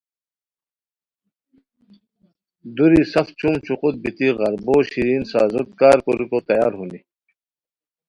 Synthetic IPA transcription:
d̪uɾisɐft͡ɕumt͡ɕʰuqut̪̚bit̪iɣɐɾboːɕiɾiːnsaːzot̪̚kaːɾkoɾupot̪ɐjaːɾɦuni

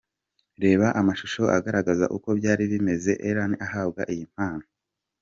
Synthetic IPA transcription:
ɾe̞ːβaʔamaʃuʃo̞ʔaɡaɾaɡaza̰ʔuko̞bɟaːɾiβime̞ze̞ʔeɾaniʔaɦaːbɡa̰ʔijim̥haːno̥

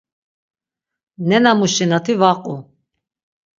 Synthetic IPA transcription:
nɛnamuʃɛnat̪ʰivaqʼu

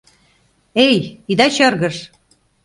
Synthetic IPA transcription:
ejid̪ɑt͡ɕɤrɣə̆ʃ

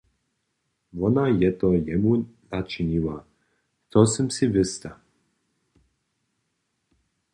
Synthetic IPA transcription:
vɔnajɛt̪ɔjɛmunat͡ʃiniwa | t̪ɔsɛmsivɪst̪a

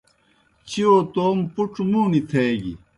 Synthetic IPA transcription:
t͡ɕioːt̪oːmpuʈ͡ʂmuːnit̪ʰeːɡḭ

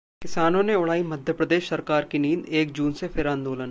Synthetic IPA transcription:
kɪsaːnõneʊɽ̤aːimɐd̪ʱjəpɾəd̪eːʃsɐɾkaːɾkiniːneːk̚d͡ʒuːnsefʰɪɾãːnd̪oːlən

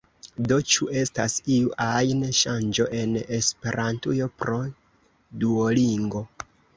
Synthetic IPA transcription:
do̞t͡ʃue̞stasiuʔajnʃand͡ʒo̞ʔe̞ne̞spe̞ɾʔantujo̞pɾo̞ | duoliŋɡo̞

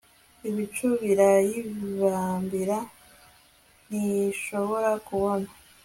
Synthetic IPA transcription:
iβit͡ʃuβiɾajiββaːmbiɾa | niʃo̞βo̞ɾakuβo̞na

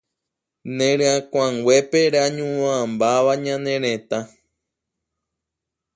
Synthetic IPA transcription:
nẽɾẽãkʷãŋɡwe̞peɾaɲũwãmbaʋaɲãnẽɾ̃ẽt̪a

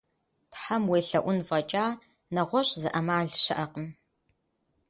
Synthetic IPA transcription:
tħamweːɬɐʔʷʊnvɐt͡ʃʼaː | nɐʁʷɔɕʼzɨʔɐmaːɮʃɨʔɐqəm

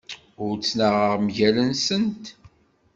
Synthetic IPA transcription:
ʊɾt͡sːnəʁəʁmʝælənsənt̪

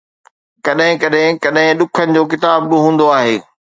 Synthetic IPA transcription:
kɐɗɦɪ̃kɐɗɦɪ̃kɐɗɦɪ̃ɗʊkʰənɪ̆d͡ʑoːk̬ɪt̪aːbːɪɦũːnd̪oaːɦeː

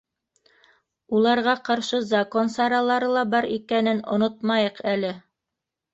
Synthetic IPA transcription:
ulˠɑɾʁɑqɑɾʃɤzɐkonsɑɾɑlˠɑɾɤlˠɑbɑɾikænɘnŏ̰not̪̚mɑjɤqælɘ

